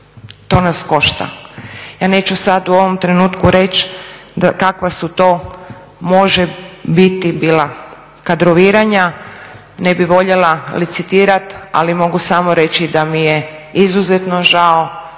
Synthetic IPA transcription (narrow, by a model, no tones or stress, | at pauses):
t̪o̞ːnasko̞ʃt̪a̰jaːne̞ːt͡ɕusad̪uoʋo̞mt̪ɾenuːt̪kuɾe̞t͡ʃd̪akakʋasut̪o̞ː | mo̞ʒɛbit̪ibiːlˠa | kad̪ɾoʋiːɾaɲa | nebiʋo̞ʎelalit̪sit̪iːɾat̪a̰limo̞ɡusamoɾe̞t͡ɕid̪amije | izuzet̪noʒao